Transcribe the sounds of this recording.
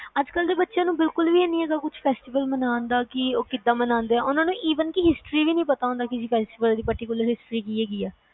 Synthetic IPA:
əd͡ʒkəld̪eːbətːʃjãːnũːbɪlkʊlʋiːɛːnĩɛːɡaːkʊt͡ʃʰpʰɛːsʈɪʋəlmənãːnd̪aːkɪoːkɪd̪ːãːmənãːnd̪eːɛːʔʊnãːnũːʔiːʋənkɪɦɪsʈɾiːʋiːnəĩːpət̪aːõːnd̪aːkɪsiːpʰɛːsʈɪʋəld̪iːpəɾʈɪkʊləɾɦɪsʈɾiːkiːɛːɡiːɛː

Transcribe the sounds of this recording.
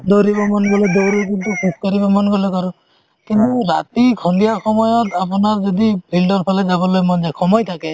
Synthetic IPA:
doɾibɔmɔnɡɔlɛd̪owɾik̬intukʰuskɔɾibɔmɔnɡɔlɔkaɾɔ | kint̪uɾa̰t̪ikʰɔndijaxɔmɔjɔtap̬ɔnazɔdipʰildɔɹpʰalɛzabɔlojmɔnzajkʰɔmɔjt̪ʰakɛ

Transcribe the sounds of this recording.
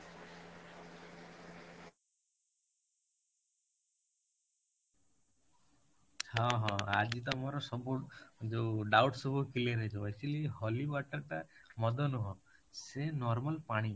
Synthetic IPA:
hɔ̃ɦɔ̃ad͡ʒit̪ɔmɔɾɔsɔbud͡ʒeɖawʈsɔbukileɾed͡ʒɔajt͡ʃʰiliɦɔlibaʈaɾʈamɔd̪ɔnuɦɔ̃senɔɾmalpaɽ̃i

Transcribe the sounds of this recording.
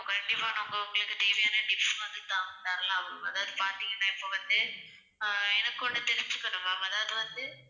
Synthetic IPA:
kɐkɐɳɖɪpːaːnɐʊŋɡɐʊŋɡɐɭɯkːɯt̪iːʋɐjaːnɐɖɪpːsɐnd̪ɯt̪ːãːŋdaːɾɐlãːɐʋɐɭʊmɐðaːʋɐðɯpaːɾt̪iːŋɡɐnːãːɪpːoʋɐnd̪ɯ | ɛnɐkːɔɳɖɯt̪ɛɾɪɲd͡ʒɯkːɐɳʊmɐmɐɐðaːʋɐðɯʋɐnd̪ɯ

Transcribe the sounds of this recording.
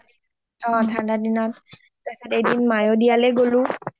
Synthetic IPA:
ɔtʰandadinɔt̚ | tasatejdinmajodijalɛɡolʊ̃

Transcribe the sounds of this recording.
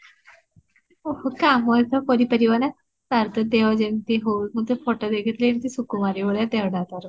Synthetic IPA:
ohokaməəsəfoɾiːpəɾiʋana | t̪aɾt̪əd̪eʋad͡ʑent̪iɦomət̪əfoʈəd̪ekʰit̪lenit̪isukumaɾiʋəɭjad̪eʋɽat̪aɾ

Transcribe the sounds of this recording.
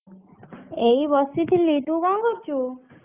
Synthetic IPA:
ejbɔsit̪ʰilːit̪ũkɔŋkoɾt͡ʃʰu

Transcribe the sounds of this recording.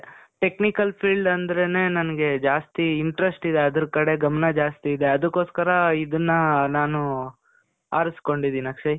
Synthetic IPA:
ʈeknikɐlpʰiːɭɖɐnd̪ɐɾene̞ːnɐnɐɡe̞d͡ʒaːst̪iːɳʈɾesʈid̪e̞ɐd̪ɐɾkɐɽe̞ɡɐmɐnɐd͡ʒaːst̪iːd̪e̞ɐd̪ɐkːo̞ːskɐɾɐid̪ɐnːɐnaːnu | aːɾɐsko̞ɳɖid̪innɐkʂɐj

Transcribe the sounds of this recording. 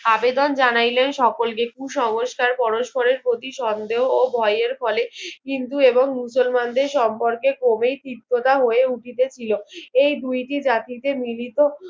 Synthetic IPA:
abed̪ond͡ʑanajlenʃɔkolkekuʃɔŋoʃkaɾpɔɾoʃpoɾeɾpɾot̪iʃɔnd̪eɦoːbʱɔjeɾfɔlekint̪ueboŋmusolmand̪eɾʃɔmpoɾkekomejt̪it̪ːot̪aɦoeuʈit̪et͡ɕʰiloejd̪ujʈid͡ʑat̪it̪emilit̪o

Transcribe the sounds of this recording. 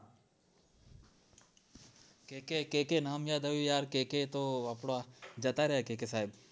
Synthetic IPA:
kekekeːkenaːmjaːd̪əʋijaːɾkeːket̪oɐpɽad͡ʒɐt̪aɾeɦakeːkesaːɦɪb

